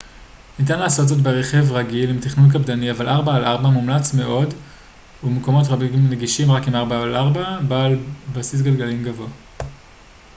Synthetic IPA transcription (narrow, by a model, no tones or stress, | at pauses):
nit̬anlaːso̞tzo̞t̬beʁeχe̞vʁaɡilimt̪iχnunk̬abdaniavalʔaʁbaːlʔaʁbamumlat͡sme̞ʔo̞d | umeko̞mo̞t̬ʁamneɡiʃimʁakimaʁbaalʔaʁbabalbasis̬ɡalɡalimɡavoa